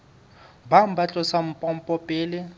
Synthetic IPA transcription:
bam̩bat͡ɬʼɔsam̩pʼɔm̩pʼɔpʼɪːlɪ

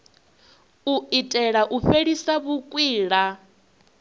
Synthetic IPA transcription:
uitʼɛɺaʔuɸeɺisaβukʼwiːɺa

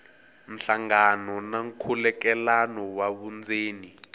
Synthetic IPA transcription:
m̩ɬaŋanɔnaŋ̩kʰulɛkɛlanɔwaβund͡zeːni

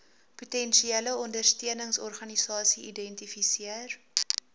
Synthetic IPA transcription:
putɛnʃieləɔndərstiənəŋsɔrχɐnisɑːsiidɛntifisiər

